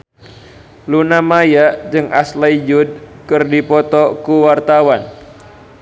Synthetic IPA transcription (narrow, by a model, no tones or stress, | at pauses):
lunamajaʔd͡ʒɨŋʔa̰slaid͡ʒud̚kɨrdipɔt̪ɔkuwart̪awan